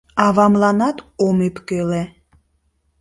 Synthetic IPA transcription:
ɑvɑmlˠɑnɑt̪omepkøle

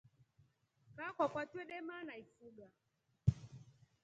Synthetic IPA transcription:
kakwakwatuɛɗɛmanaifuɡa

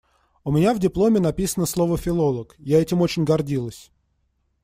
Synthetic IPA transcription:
ʊmʲɪnʲavdʲɪplˠo̞mʲɪnɐpʲisənəslˠo̞vəfʲɪlˠo̞lˠəkjaɛtʲɪmo̞t͡ɕɪnʲɡɐrdʲilˠəsʲ

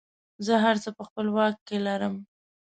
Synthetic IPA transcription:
zəɦaɾt͡səpəxpəlwɑkːelaɾəm

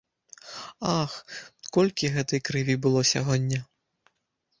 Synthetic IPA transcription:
axkɔlʲkʲiɣɛt̪ɨjkɾɪvʲibɨlˠɔsʲaɦɔdʲːɐ

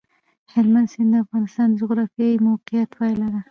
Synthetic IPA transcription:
hɪlmand̪sɪnd̪əafɣɑnɪst̪ɑnd̪əd͡ʒʊɣɾɑfjɑimawqɪjat̪pɑjlaɾa

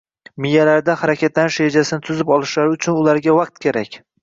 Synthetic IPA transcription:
mɪjːalaɾd̪ahaɾakʲʰat̪lanɪʃɾed͡ʒasɪnɪt̪ʰʊzɪpɒlˠɪʃlaɾɪʊt͡ʃʰʊnʊlaɾɡʲavaq̚t̪̚kʲʰeɾakʲ

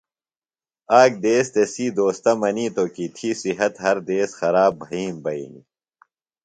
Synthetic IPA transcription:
aːk̚d̪eːst̪esiːd̪oːst̪ɐmɐniːt̪oːkit̪ʰisiɦɐt̪ɦɐɾd̪eːsxɐɾaːbʱɐiːmbɐḭni

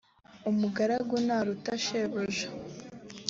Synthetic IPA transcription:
umuɡaɾaɡunaɾutaʃeβoʒḁ

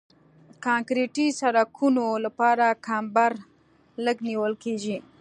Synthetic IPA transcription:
kɑŋkɾeʈisaɾakʰunolapɑɾakʰambaɾ | ləɡniwəlkeʒi

